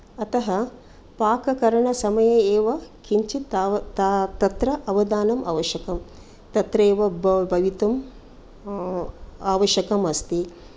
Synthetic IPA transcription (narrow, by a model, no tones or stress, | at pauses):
ɐt̪ɐɦɐ | paːkɐkɐɾɐɳɐsɐmɐjɐeːʋɐkʰiɲt͡ʃit̪ːt̪t̪ɐt̪ɾɐʔɐʋɐd̪aːnɐmɐ̰ːʋɐʃjɐkɐm | t̪ɐt̪ɾeːʋɐbbʱɐʋit̪ɐm | aːʋɐʃɐkɐmɐst̪i